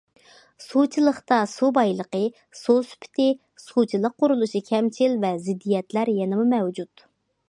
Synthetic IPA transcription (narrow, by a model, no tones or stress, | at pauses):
sut͡ʃʰilˠəχt̪ɑsubɑjlˠəqə | susy̥pʰɪ̥t̪ʰɪ | sut͡ʃʰilˠəq̚ːʊɾulˠuʃikʲʰɛmt͡ʃʰilvɛzɪd̪ːijɛt̪læɾjɛnɪmumɛwd͡ʒut̪